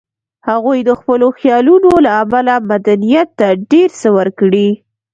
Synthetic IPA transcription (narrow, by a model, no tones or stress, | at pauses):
haɣujd̪əxpəloxjɑlunolaːmalamad̪anijat̪ːaɖeɾsəwəɾkɽi